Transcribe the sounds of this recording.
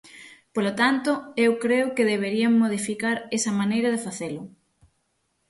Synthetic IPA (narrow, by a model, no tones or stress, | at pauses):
polot̪ant̪ʊewkɾeʊkɪðeβ̞eɾiɐŋmoðifikaɾesɐmanejɾɐð̞efaθelʊ